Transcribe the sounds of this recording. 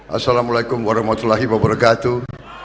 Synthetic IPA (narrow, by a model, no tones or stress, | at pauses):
asːalamulajkumwaɾaɦmat̪ulːaɦiwabɐɾakat̪u